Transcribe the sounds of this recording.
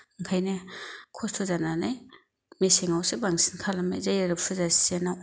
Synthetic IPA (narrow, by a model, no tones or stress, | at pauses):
ŋkʰajnekʰɔstʰozananaj | meseŋawsebaŋsi̥nkʰalamajzajɾaɾɯpsʰozasienaw